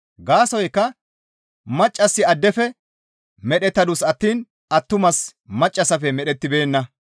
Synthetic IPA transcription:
ɡaːsɔjkːɐ | mɐt͡ʃʼːɐsːɪɐd̪ːɛfɛ | mɛɗɛt̪ːɐd̪ʊsɐt̪ːiːn | ɐt̪ːʊmɐsmɐt͡ʃʼːɐsɐfɛmɛɗɛt̪ːɪbe̞ːnːɐ

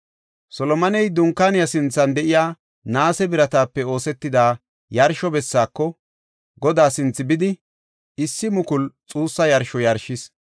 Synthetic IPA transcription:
sɔlɔmɐnɛjd̪ʊŋkːaːnɪjɐsɪnt͡sːɐnd̪ɛʔɪjaː | naːsɛbɪɾɐt̪aːpːɛo̞ːsɛt̪ːɪd̪aː | jɐɾʃɔbɛsːaːkːɔ | ɡɔd̪aːsɪnt͡sːɪbɪd̪ɪ | ɪsːɪmʊkʊlt͡sʼuːsːɐjɐɾʃɔjɐɾʃɪs

